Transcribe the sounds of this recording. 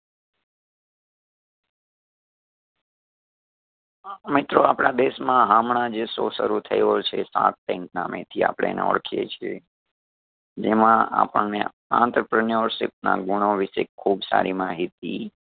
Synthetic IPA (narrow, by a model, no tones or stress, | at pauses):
mɪt̪ɾoapɳ̃ad̪eʃmãɦamɳad͡ʒesosəɾut̪ʰəjot͡ʃʰesã̰k̪̚ʈɛ̃ŋk̚namet̪ʰia̰pɽ̃ḛnḛɔ̰ɽkʰijet͡ʃʰie | d͡ʒemãa̰pəɳne | ã̰nt̪ɾəpɾənəɾʃɪp̚na̰ɡuɽ̃oʋɪʃekʰːubsa̰ɾimaɦit̪̚i